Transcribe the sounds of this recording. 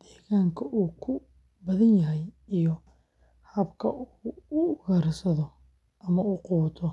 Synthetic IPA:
d̪̥ɛːɣaːŋkʰɐʔuːkʰʊ | bɐðɐnjɐɦɛjijɔ | hɐbkʰɐ̰uʊɣɐɾsɐðɔ | ʔɐmɐuːquːt̪ʰɔ

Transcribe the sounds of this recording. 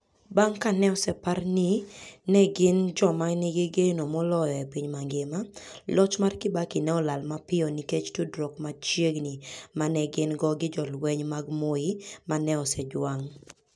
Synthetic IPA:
baŋkanɛɔsɛparninɛɡɪnd͡ʒɔmanɪɡeɡenomɔlɔjɔepiɲmaŋɡemalɔt͡ʃmarkɪbakɪnɛɔlalmapɪɔniket͡ʃtudɾɔkmat͡ʃjeɡnimanɛɡɪnɡɔɡɪd͡ʒɔlwɛɲmaɡmoimanɛɔsɛdwaŋ

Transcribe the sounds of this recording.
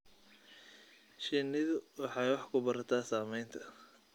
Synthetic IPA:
ʃɪnɪðʊwɑħɑjwɑħkʰʊbɐɾɐt̪ʰaːsaːmɛjnt̪ʰɐ

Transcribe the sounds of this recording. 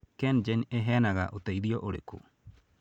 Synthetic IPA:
kɛnd͡ʒeneɦɛːnaɣaʔotaiðiɔʔoɾḛko̰

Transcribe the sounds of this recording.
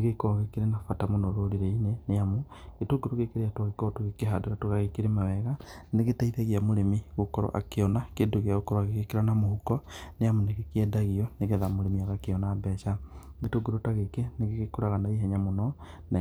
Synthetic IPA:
eɣekoɣekeɾenafatamonoɾoɾiɾeineneamo | ɣetoɡuɾoɣekeɾejatwaɣekɔtoɣekeɦadoɾatoɣaɣekeɾemaβɛɣaneɣetaiðeɣeamoɾemiɣokɔɾɔ̰ʔa̰keɔnakedoɣeaɣokoɾaɣeɣekeɾanamohukɔneamoneɣekiɛdaɣiɔneɣeðamoɾemiaɣakeɔnaːbɛʃaɣetoɡuɾotaɣekeneɣeɣekoɾaɣanaiɦɛɲamonɔ | na

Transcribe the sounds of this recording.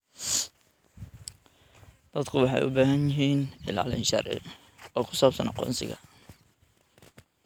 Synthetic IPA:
d̪̥ɐd̪kʰʊwɑħɑ̰jʔʊ̰baːɦɐnjɪɦiːnɪla̰ːlɪ̰nʃɑrʔɪ̰ | ɔːkʰʊ̥saːbsɐnɑqɔ̰ːnsɪ̰ɣɐ̰

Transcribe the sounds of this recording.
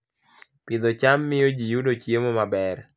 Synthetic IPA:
pɪd̪ɔt͡ʃamːɪod͡ʒijudot͡ʃjemomabɛr

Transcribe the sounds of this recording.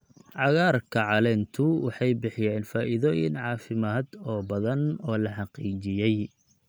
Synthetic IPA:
ʕɑɣaːrkʰɐʕɑlɛːnt̪ʰʊwɑħɑjbɪħɪjɛːnfaːʔɪðɔːjɪ̰nʕɑːfɪmaːd̪ɔːbɐðɐnɔːlɐħɑqiːt͡ʃɪjɛj

